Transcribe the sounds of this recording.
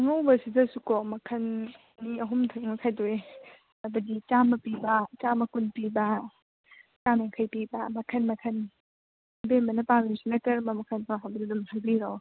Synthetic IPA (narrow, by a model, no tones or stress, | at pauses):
ɐŋawbɐsidɐsukɔmɐkʰɐnː | iɐɦumtʰumɐkʰajdoe | ɐbɐdit͡ʃamɐpibɐt͡ʃamɐkunpibɐ | t͡ʃameŋkʰɐjpibɐmɐkʰɐnmɐkʰɐn | bembɐnɐpamisinɐkɐɾmɐmɐkʰɐnpʰaaɦabɐdudumhʰajbiɾow